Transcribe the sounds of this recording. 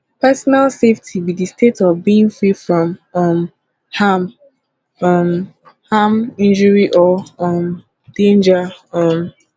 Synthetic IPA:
pɛsɔnalseftʰibidistʰetɔvbiĩŋfɹifɹɔ̃mʌm | ham | am | hamĩnd͡ʒəɹiʔɔɔm | d̥ẽnd͡ʒaɔm

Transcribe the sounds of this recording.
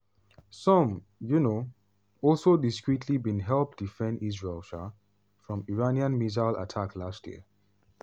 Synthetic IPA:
sɔ̃m | juno | ɔlˠsodiskɹitʰlibĩnɦɛlˠp̚d̥ifɛ̃ndizɹelˠʃa | fɹɔ̃miɹaniãnmizaɪla̰tʰaklastjḭə

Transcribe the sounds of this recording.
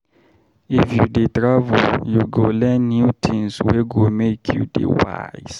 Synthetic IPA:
ifjudetɹavɔljuɡolɛnːutʰĩmswɛɡomekʰjṵdḛwa̰js

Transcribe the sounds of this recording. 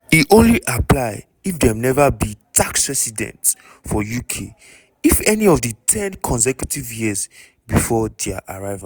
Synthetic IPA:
iʔõnliʔaplaɪ | ifdɛ̃mnɛvabitʰaksɹɛsidɛ̰̃nts | fɔjukʰḛ | ifɛniɔvdətʰɛ̃nkʰɔ̃ns̬ɛkjutivjiz | bifɔdɛaʔaɹaɪva

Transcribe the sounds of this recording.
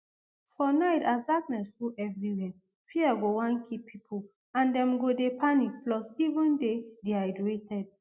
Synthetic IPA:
fɔnaɪtasdaknɛsfuʔɛvɹiwɛ | fiaɡowãnkʰipʰipʰul | ãndɛ̃mɡodepʰanik̚plɔsivə̃ndedeajdetʰɛd̥̚

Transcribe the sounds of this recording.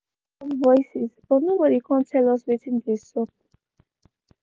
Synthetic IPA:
ɔvɔjsisbɔtnobɔɾikʰãntʰɛlɔswitĩndesɔp̚

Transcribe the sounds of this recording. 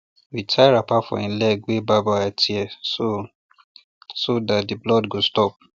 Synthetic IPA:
witʰaɪɹapafɔ̰̃ĩlɛɡwebabaatʰiɛso | sodat̚diblɔdɡostɔp̚

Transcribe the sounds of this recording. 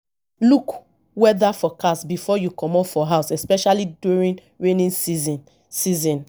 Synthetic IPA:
luk | wɛðafɔkasbifɔjukɔ̃mɔfɔɦaʊsɛspɛʃalidjuɹĩn | ɹenĩnsiz | sizɔ̃n

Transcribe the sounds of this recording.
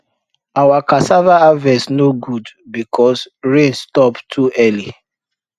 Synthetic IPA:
awakasavaavɛsnoɡudbikʰɔsɹẽnstɔptʰuʔɛli

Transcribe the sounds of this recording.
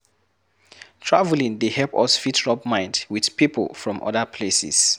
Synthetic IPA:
tʰɹavlĩŋdehɛlpɔ̰sfitʰɹɔb̚mãɪ̃ndwiθpipʰə̰lˠfɹɔ̃mʔɔ̰ðəpʰlesɛ̰s

